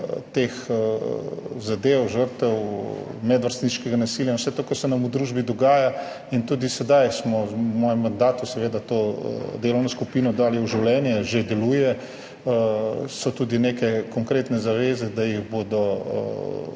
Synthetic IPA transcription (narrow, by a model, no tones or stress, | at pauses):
t̪eːx | zad̪eːwʒəɾt̪ɛwmɛd̪ʋəɾst̪niʃkɛɡanasiljawsɛt̪oːkaɾsɛnamud̪ɾuːʒbid̪ɔɡaːja | int̪ud̪isɛd̪ajsmɔmɔːjɛmːand̪aːt̪usɛʋeːd̪at̪o̰d̪eːlɔwnɔskupinɔd̪aːliuʒiwlɛːnjɛʒed̪ɛluːjɛ | sɔt̪uːd̪inekɛkɔŋkɾeːt̪nɛzaʋeːzɛd̪ajiɣbod̪ɔ̰